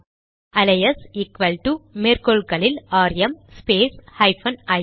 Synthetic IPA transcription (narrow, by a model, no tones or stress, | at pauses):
ɐlɐjɐsɪkʋɐlʈumeːɾkoɭkɐɭɪlaːɾjɐmspeːshɐɪfɐnɐ